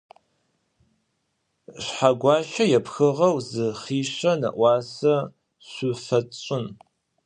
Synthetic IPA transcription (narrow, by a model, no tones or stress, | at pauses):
ɕħaɡʷɑːɕɐjɛpxɨʁɐwzɨχiːɕɐnɐ̰ʔʷɑːsɐ | ɕʷufɐt͡sʼɕʼɪn